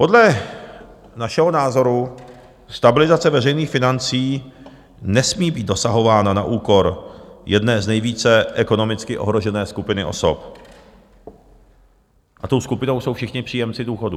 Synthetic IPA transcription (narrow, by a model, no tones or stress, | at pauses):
po̞dlɛ | naʃɛɦonaːzo̞ɾu | st̪abɪlɪzat͡sɛvɛrɛjniːxfɪnant͡siː | nɛsmiːbiːt̪do̞saɦo̞vaːnana̰ʔuːkoɾjɛdnɛːznɛjviːt͡sɛʔɛko̞no̞mɪt͡skɪʔo̰ɦɾoʒɛnɛːskupɪnɪʔo̞̰so̰p | ʔat̪owskupɪnowsowfʃɪxɲɪpr̝̥iːjɛmt͡sɪduːxodu